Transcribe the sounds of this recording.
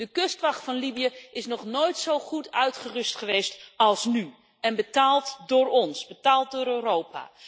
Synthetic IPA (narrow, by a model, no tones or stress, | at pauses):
d̥əkɵstʋɑχtfɑnlibijəʔɪsnɔχnojtsowχutœɥtχərɵstχəʋejstɑlˠsny | ɛnbətaːlˠtdʊːɹɔnsbətaːlˠt̚dʊːɾøːrowpa̰ː